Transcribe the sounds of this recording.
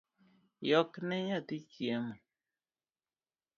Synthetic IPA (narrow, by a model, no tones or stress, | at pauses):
jɔknɛɲatit͡ʃjemɔ